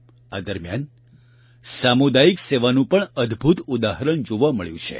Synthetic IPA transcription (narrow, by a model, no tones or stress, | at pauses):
a̰d̪əɾmjan | samud̪aikseʋanũpəɳəd̪bʱut̪ud̪aɦəɾəɳd͡ʒoʋaməɭjṵ̃t͡ʃʰḛ